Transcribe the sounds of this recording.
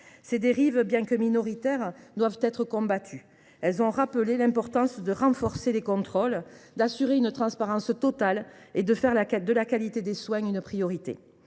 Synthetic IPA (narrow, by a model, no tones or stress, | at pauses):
sed̪eʁivbjɛ̃kəminɔʁit̪ɛʁd̪wavt̪ɛt̪χəkɔ̃bat̪ʰy | ɛlzɔ̃ʁapəlelɛ̃mpɔʁt̪ɑ̃sd̪əʁɑ̃fɔʁselekɔ̃t̪χɔld̪asyʁeynət̪χɑ̃spaʁɑ̃st̪ɔt̪aled̪əfɛʁlad̪əlakalit̪ed̪eswɛ̃ynpχijɔʁit̪ḛ